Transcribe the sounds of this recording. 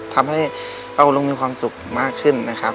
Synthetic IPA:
t̪ʰa˧mɦa˥˩j | pa˧˩wlo˧ŋmiː˧kwaː˧msu˨˩k̚maː˥˩kʰːɯ˧˥˩nːa˦˥kʰa˦˥p̚

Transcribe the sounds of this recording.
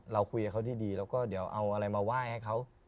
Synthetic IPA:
ɾa˧wkʰu˧jha˧˩kʰa˥wt̪ʰiː˥˩diː˧lɛː˦˥˩wkɔː˥˩di˨˩˦əwʔa̰˧wʔa˧ɾa˧jmaː˧waː˥˩jha˥˩jkʰa˦˥˩w

